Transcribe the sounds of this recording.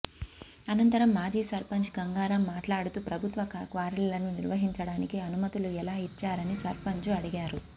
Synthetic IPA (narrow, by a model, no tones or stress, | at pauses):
ɐnɐnt̪ɐɾɐmːaːd͡ʒiːsɐɾpɐɲt͡ʃɡɐŋɡaːɾɐmːaːʈlaːɽut̪uːpɾɐbʱut̪ʋɐkkʋaːɾllɐnuniɾʋɐɦiɲt͡ʃɐɽaːnikiɐnumɐt̪uluɛlaːit͡ʃːaːɾɐnisɐɾpɐɲt͡ʃuɐɽiɡaːɾu